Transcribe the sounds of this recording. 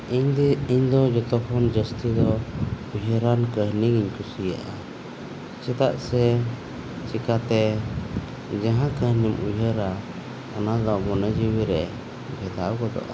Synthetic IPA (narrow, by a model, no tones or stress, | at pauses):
iɲd̪iɲd̪ɔd͡ʒɔt̪ɔkʰɔnd͡ʒəst̪id̪ɔ | ujɦəɾankəɦniŋiɲkusija̰ʔa | t͡ʃɛt̪aʔsɛ | t͡ʃikat̪ɛ | d͡ʒaɦãkəhnimujɦəɾa | ɔnad̪ɔmɔnɛd͡ʒiwiɾɛ | bʱɛd̪awkɔd̪ɔ̰ʔa̰